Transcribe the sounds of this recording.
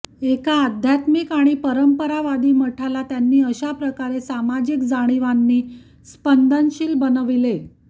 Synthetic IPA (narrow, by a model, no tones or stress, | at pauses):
ekaːd̪ʱjat̪mikaɽ̃ipəɾəmpəɾaʋad̪iːm̤əʈʰalat̪janːiːəɕapɾəkaɾesamad͡ʑikd͡zaɽ̃iʋanːiː | spənd̪ʱanɕiːlbənəʋile